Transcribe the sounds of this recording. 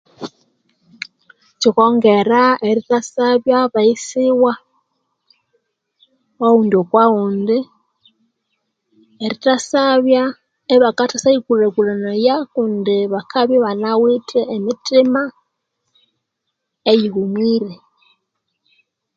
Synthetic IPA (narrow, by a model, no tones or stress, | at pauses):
t͡ʃikoŋɡeɾaeɾitasaβjaβaisiwa | wauːndiokwauːndi | eɾitasaβja | eβakatasaikulekulanajakundiβakʰaβjaβanawiteːmitima | ejihumwiɾe